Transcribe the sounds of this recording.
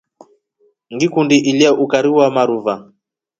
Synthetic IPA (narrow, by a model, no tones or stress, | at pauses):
ŋɡikundiʔiliaʔukaɾiwamaɾuva